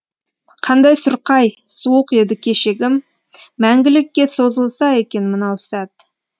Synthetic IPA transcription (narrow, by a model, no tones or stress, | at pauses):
qʰɑnd̪ɑjsʊɾqɑjsuwəqje̞d̪ɪkʲʰe̞ʃeɡʲɪmː | æŋɡʲɪlɪkʲːe̞so̞zəlˠsɑe̞kʲe̞nmənɑwsæt̪